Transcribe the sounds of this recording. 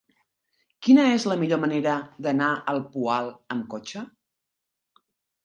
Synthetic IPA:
kinəezləmiʎoməneɾəðənaʔəlˠpualˠəmkot͡ʃə

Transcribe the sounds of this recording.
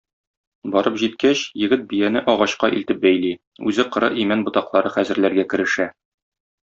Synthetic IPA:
bɒɾɤpʑit̪̚kæɕjɘ̆ɡɘt̪̚bijænɘʔɒʁɑɕqɑʔḭlt̪ɘp̚bæjli | ʉzɘqɤ̆ɾɤ̰ʔimænbŏt̪ɑqlˠɑɾɤχæzɘ̆ɾlæɾɡækɘ̆ɾɘ̆ʃæ

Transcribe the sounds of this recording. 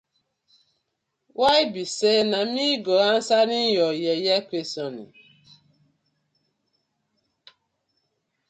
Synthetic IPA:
waibisɛnamiɡɔan̩sanijɔjɛjakʷesɔnḭ

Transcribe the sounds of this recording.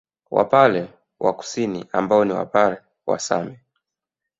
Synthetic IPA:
wa̰palɛ | waku̥siniambaɔniwa̰palɛ | wa̰sa̰mɛ

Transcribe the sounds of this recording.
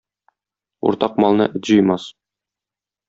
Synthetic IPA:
ṵɾt̪ɑq̚mɒlˠnɤ̰ʔɘt̪ʑɤ̆jmɑs

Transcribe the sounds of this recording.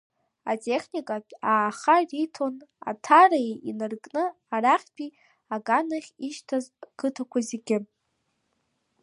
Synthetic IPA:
atʼeχʲnikʼaaːχaritʰo̞na̰tʰaraʔinɨrkʼnɨ | araχʲpʼi | aɡanaχʲiʃtʰazkʰɨtʰakʷʰazeɡʲɪ

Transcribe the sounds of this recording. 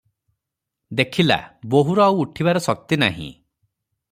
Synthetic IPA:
d̪ekʰila̰boɦuɾɔawuʈʰibaɾɔsɔk̚t̪ina̰ɦḭ̃

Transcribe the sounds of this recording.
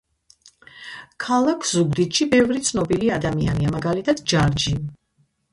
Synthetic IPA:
kʰalˠakʰz̥uɡd̪it̪ʃibɛvɾit̪sʰnɔbiliad̪amianiamaɡalit̪ʰad̪̥d͡ʒaɾd͡ʒi

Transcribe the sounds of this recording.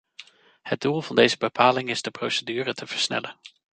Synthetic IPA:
həd̚dulˠvɑndejzəbəpʰaːlɪŋɪz̥dəprowsədyːrətʰəv̥əɹsnɛ̰lən

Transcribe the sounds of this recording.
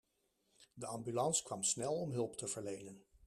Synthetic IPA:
dəɑmbylɑnskʋɑmsnɛlˠɔmɦɵlˠptəv̥əɹlejnən

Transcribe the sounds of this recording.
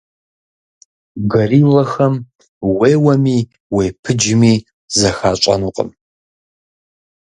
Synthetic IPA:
ɡɐriːlɐxɐm | weːwɐmiː | weːpʰɨd͡ʒɪmiː | zɐxaːt͡ʃʷʼɐ̰nuːqʼə̰m

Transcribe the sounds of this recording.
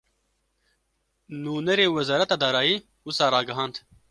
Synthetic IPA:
nuːnɛɾeːwɛzɑːɾɛt̪ɑːd̪ɑːɾɑːjiː | wʊsɑːɾɑːɡɐɦɑːnd̪

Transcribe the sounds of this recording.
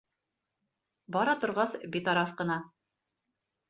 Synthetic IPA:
bɒɾɑt̪ŏɾʁɑsbit̪ɑɾɑθqɤ̆nɑ

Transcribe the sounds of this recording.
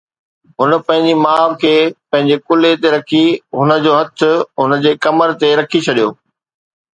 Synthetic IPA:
ɦʊnə̆pɐ̃ɦɪ̃ɲ̆d͡ʑimaːʋkʰeːpɐ̃ɦɪ̃ɲd͡ʑekʊlet̪eɾɐkʰiɦʊnə̆d͡ʑoːɦɐt̪ʰʊ̆ɦʊnə̆d͡ʑeːkɐməɾt̪eɾɐkʰit͡ɕʰɐɗijoː

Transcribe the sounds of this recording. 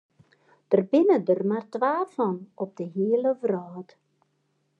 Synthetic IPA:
d̥ərbɪnədərmartʋaːfɔnɔp̚dəɦiələvraːt

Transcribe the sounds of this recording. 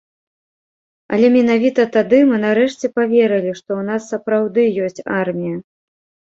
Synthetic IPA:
ɐ̰lʲɛmʲɛn̪avʲit̪ɐt̪ad̪ɨmɨnaɾɛʂt͡sʲɛpavʲeɾɨlʲiʂt̪ɔwn̪asːɐpɾawd̪ɨjɔsʲt͡sʲarmʲijɐ

